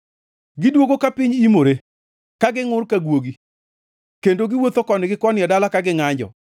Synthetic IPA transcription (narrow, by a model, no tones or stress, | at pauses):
ɡɪdwoɡokapɪɲimoɾe | kaɡɪŋʊrkaɡwoɡi | kendoɡɪwot̪okɔnɪɡɪkɔnɪjɛdalakaɡɪŋaɲd͡ʒɔ̰